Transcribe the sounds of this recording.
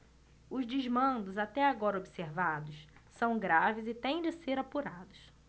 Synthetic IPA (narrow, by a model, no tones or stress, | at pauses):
ʊzd͡ʒɪzmɐ̃nd̪ʊzat̪ɛaɡɔɾɐobiseɾvad̪ʊssɐ̃w̃ɡɾavɪzɪt̪ẽj̃d͡ʒɪseɾapuɾad̪ʊs